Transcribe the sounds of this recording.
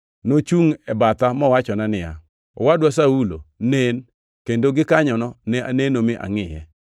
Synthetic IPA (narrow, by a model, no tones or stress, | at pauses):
not͡ʃuŋɛbat̪amɔwat͡ʃɔnanɪja̰ | ɔ̰wadwasaulo̰nen | kendoɡɪkaɲɔnɔnɛa̰nenomɪʔa̰ŋɪjɛ̰